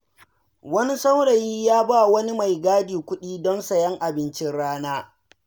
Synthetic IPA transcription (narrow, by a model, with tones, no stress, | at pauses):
wɐ˦ni˦sa˦wɽɐ˨ji˦jaː˦ba˦˨wɐ˦ni˦ma˨jɡaː˦diː˨kʷʊ˦ɗiː˦dɔ˦nsɐ˨jɐ˦ŋʔa˨bɪ˦nt͡ʃɪ˦nɽaː˦naː˦